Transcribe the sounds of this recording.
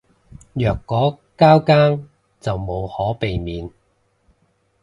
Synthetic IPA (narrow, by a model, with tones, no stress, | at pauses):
jœː˨kːɔː˨˥ | kaː˥wkaː˥ŋ | t͡sɐ˨wmo˨˧whɔː˨˥pe˨jmiː˨˧n